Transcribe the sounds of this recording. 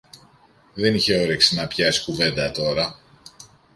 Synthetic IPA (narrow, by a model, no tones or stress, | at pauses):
ðe̞niçe̞o̞ɾeksinɐpçɐsi̥kuve̞nd̪ɐt̪o̞ɾɐ